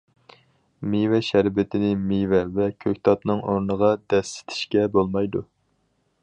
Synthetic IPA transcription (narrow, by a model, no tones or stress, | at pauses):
mevɛʃæɾbɪt̪ʰɪnɪmivɛvɛkʲʰøkʲt̪ʰɑt̪nɨŋoɾnəʁɑd̪̥ɛsːɪ̥t̪ʰɪ̥ʃkʲɛbolˠmɑjd̪u